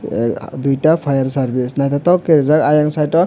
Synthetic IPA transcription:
d̪ujʈapʰajaɾsaɾbisnajt̪at̪ɔkːeɾzakajaŋsajʈɔ

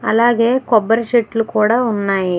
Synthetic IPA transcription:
ɐ̰laːɡeːkobːɐɾt͡ʃeʈːlukuːɽaunːaːji

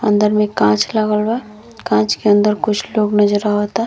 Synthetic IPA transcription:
ɐ̰̃nd̪əɾmẽkãːt͡ʃlɐɡəlwa | kãːt͡ʃkeɐ̃nd̪əɾkʊt͡ʃʰloːɡnɐd͡ʒəɾaɦoːt̪a

